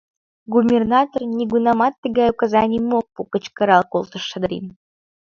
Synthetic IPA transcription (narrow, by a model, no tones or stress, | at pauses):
ɡubʲernat̪ornʲiɡunɑmɑt̪ːəɡɑjukazɑnʲimok̚pukə̆t͡ɕkəɾɑlˠkolˠt̪ə̆ʃə̆d̪əɾʲḭn